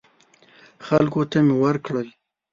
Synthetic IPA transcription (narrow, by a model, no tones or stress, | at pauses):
xalkot̪amewəɾkɽəl